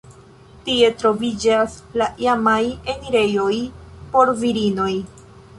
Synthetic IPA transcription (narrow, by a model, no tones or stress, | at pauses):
tie̞tɾo̞vid͡ʒaslaiamajeniɾe̞jo̞jpo̞ɾviɾino̞j